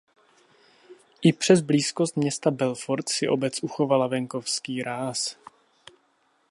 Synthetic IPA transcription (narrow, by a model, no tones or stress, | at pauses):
ʔɪpr̝̥ɛzbliːskost̪̚mɲɛst̪abɛlfoɾt̪sɪʔo̞bɛt͡sʔuxo̞valavɛŋko̞fskiːɾaːs